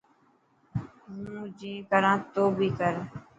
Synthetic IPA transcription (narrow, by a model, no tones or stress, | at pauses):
ɦũːd͡ʒĩːkəɾãːt̪oːbʱiːkəɾ